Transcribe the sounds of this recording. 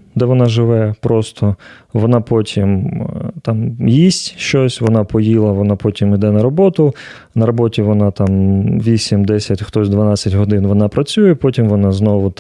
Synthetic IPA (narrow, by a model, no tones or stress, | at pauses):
d̪ɛʋɔnɑʒɪʋɛpɾɔst̪ʰɔʋɔnɑpɔtʲʰimt̪amjisʲtʲʃt͡ʃɔsʲʋɔnɑpɔjilˠɐʋɔnɑpɔtʲimid̪ɛnɐɾɔbɔt̪ʊ | nɐɾɔbɔtʲiʋɔnɑt̪amʋʲisʲimd̪ɛsʲɐtʲxt̪ɔzʲd̪ʋɐnat͡sʲːɐtʲɦɔd̪ɪnʋɔnɑpɾɐt͡sʲujɛpɔtʲimʋɔnɑznɔʋʊ